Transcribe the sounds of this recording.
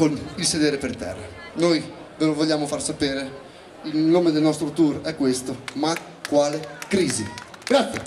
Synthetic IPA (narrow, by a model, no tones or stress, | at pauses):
konilsed̪eːɾepert̪ɛ̰rːa̰ | noj | velovoʎːaːmofarsapeːɾe | ilnoːmed̪elnɔst̪ɾot̪urɛkːwest̪oma | kːwaːlekɾiːzḭɡ̥ɾat̪sje